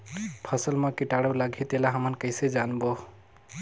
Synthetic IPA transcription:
pʰʌsəlmʌkiʈaɽəwlaɡʱit̪elaɦəmənkəɪsed͡ʒanbo

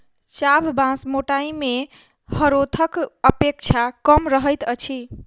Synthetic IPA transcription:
t͡ʃabʱbãsmoʈaime | həɾot̪ʰəkəpek̚t͡ʃʰakəmɾəɦəjt̪ət͡ʃʰi

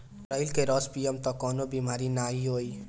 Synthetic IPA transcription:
ɾʌilkeɾʌspijemt̪ɔkɔnobimaɾinaiɦoj

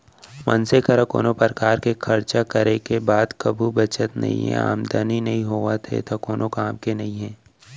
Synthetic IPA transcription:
mɐ̰nsekɐɾɐko̰ːnopəɾkaːɾkekʰɐɾt͡ʃakɐɾekebaːd̪kɐbʱubɐt͡ʃət̪nɐ̰ɦḭ̃ɦɛ̰̃a̰ːmd̪aːninɐɦĩɦoːat̪ʰḛt̪okoːnʔokaːmkenɐɦĩɦɛ̃ː

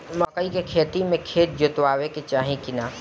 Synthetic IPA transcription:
mɐkəikekʰeːt̪imẽkʰeːt̪̚d͡ʒʊt̪waːweket͡ʃaːɦĩkɪnaː

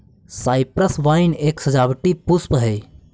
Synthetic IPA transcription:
saːɪpɾəsʋaɪneːksɐd͡ʒaːbʈipuspɦɛj

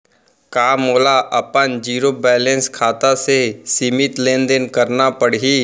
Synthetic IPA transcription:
kaːmoːlaʔɐpənd͡ʒiːɾoːbɛːlẽnskʰaːt̪asesimɪt̪lẽːnd̪ənkɐɾnapəɽiː

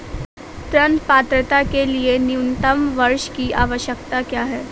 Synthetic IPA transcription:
t̪ɾənpaːt̪ɾət̪akelienjuʊnt̪əmʋɐɾʃkiʔaːʋəʃjək̚t̪akjaːɦɛː

